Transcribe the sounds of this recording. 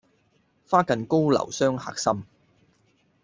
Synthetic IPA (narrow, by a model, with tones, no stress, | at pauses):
faː˥kɐ˨nko˥wlɐ̰˨˩wsœː˥ŋha̰ː˨k̚sɐ˥m